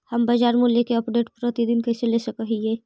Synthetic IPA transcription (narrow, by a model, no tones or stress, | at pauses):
hɐmbad͡ʒaːɾmuːljekeɐpɖeːʈ̚pɾət̪id̪ɪnkɐɪselesɐkəɦieː